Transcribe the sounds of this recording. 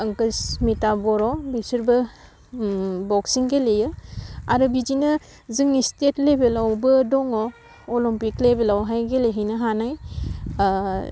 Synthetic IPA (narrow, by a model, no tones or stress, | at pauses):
ɐŋkɯsmitabɔɾɔbisiɾbɐ | bɔksiŋɡelejɯaɾɯbizinɐ | ziŋnistetlebelawbɯdɔŋɔ | olimpiklebelawɦajɡeleɦijnɐɦanaj